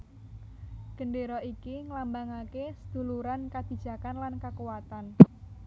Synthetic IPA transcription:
ɡ̥əndeɾɔʔikiŋlambaŋakesəd̪̥ṳluɾankad̪̥i̤d̥ʒ̥ä̤kanlankakuwat̪an

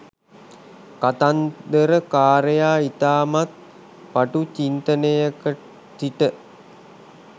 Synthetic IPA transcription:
kat̪and̪əɾəkaːɾəjaːit̪aːmat̪̚ | paʈut͡ʃint̪ənəjəkə | t̪iʈə

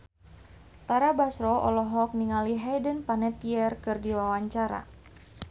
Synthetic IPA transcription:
t̪aɾabasɾɔʔɔ̰lɔɦɔk̚niŋaliɦajdənpanɛt̪iɛrkɨrdiwawaɲt͡ʃaɾa̰

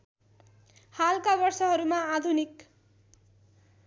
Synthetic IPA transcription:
halkabʌrsʌɦʌɾumaːd̪ʱunik

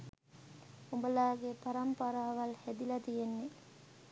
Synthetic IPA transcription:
umbəlaːɡepɐɾɐmpɐɾaːʋɐlhɛd̪ilɐt̪ijenːe

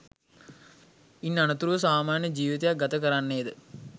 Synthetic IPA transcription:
inːɐɳɐt̪uɾuʋɐs̬aːmaːɳjɐd͡ʑiːʋit̪ɐjaɡɐt̪ɐkɐɾaːɳːeːd̪ɨ

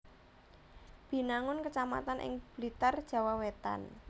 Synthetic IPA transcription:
b̥i̤naŋʊnkət͡ʃama̰t̪anʔɪ̰ŋb̥lit̪ard̥ʒ̥a̤wawet̪a̰n

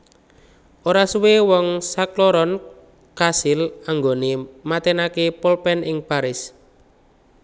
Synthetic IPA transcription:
ʔoɾasuwewɔŋsakloɾɔn | kasɪlaŋɡonemat̪enakepɔlpɛnɪŋpaɾɪs

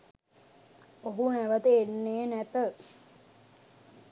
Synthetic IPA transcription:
oɦunæʋət̪əenːeːnæt̪ə

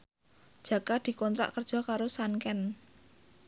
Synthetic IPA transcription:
d̥ʒ̥ä̤kad̪̥i̤kɔnt̪ɾa̰ʔkərd̥ʒ̥ɔ̤kaɾosaŋkɛn

